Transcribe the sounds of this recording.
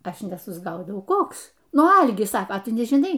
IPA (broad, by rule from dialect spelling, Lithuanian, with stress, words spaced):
ˈɐʃ nʲɛsʊzˈɡɐʊdɐʊ ˈkoːks ˈnʊ ˈɐlʲɡʲɪs ˈsɑːkɐ ˈtʊ nʲɛʒʲɪˈnɐɪ